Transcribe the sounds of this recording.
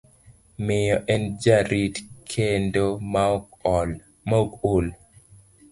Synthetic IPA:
mɪjɔʔɛnd͡ʒaɾitkʰendomal | makol

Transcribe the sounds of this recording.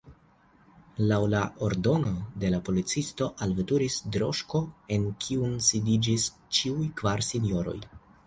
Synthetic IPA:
lawlaʔoɾdo̞no̞de̞lapolit͡sisto̞ʔalvetuɾisdɾo̞̰ʃko̞e̞nkʰiunsidid͡ʒis | t͡ʃiujkvaɾsinjo̞ɾo̞̰j

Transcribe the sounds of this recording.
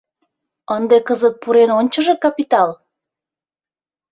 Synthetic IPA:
ənd̪ekəzət̪̚puɾenonʲt͡ɕəʒekɑpit̪ɑl

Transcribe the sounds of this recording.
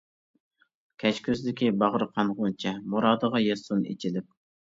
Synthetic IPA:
kʲʰɛt͡ʃkʲʰøzd̪ɪkʲibɑʁɾɨqʰɑnʁʊnt͡ʃʰɛmuɾɑːd̪əʁɑjesunḛt͡ʃʰilɪp̚

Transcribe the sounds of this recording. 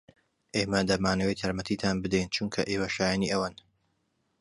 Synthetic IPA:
ʔeːmɐd̪ɐmaːnɐwejt̪ʰɐɾmɐt̪ʰit̪ʰanbɨd̪ɛjnt͡ʃʰuŋkʰɐʔeːwɐʃaːjaniʔɐwaːn

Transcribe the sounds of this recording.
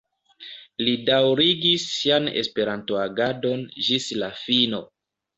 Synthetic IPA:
lidawɾiɡisːianḛspe̞ɾantoaɡado̞nd͡ʒislafino̞

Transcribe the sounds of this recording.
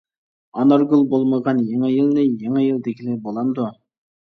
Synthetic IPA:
ɑnɑɾɡulˠbolˠməʁɑnjɑŋɪjilnɪjɑŋɛjild̪ekʲilɪbolˠɑnd̪ʊ

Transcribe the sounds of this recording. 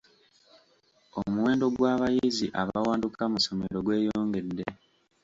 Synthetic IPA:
omuwe̞ːndo̞ɡwaːβajiziʔaβawaːndukamuso̞me̞ɾo̞ɡwe̞ːjoːŋɡe̞dːe̞

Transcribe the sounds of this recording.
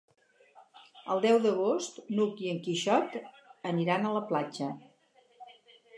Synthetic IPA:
ə̰lˠd̪ɛwðəɣost̪nukiəŋkiʃɔt̪ | əniɾanələplad͡ʒə

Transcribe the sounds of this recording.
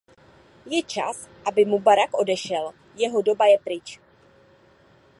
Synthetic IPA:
jɛt͡ʃa̰s | ʔabɪmubaɾakʔo̞dɛʃɛl | jɛɦo̞do̞bajɛpɾɪt͡ʃ

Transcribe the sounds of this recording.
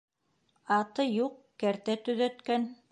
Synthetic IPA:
ɑt̪ɤjuq̚ | kæɾt̪æt̪ɵ̆ðæt̪kæn

